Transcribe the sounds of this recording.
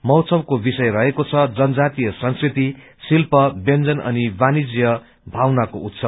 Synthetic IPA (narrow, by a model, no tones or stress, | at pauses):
mʌwt͡sʰʌbkobisʌjrʌɦekot͡sʰʌd͡zʌnʌd͡zat̪ijʌsʌ̃nskrit̪i | silpʌbend͡zʌnʌ̰nibanid͡zjʌ | bʱawnakout̪sʌb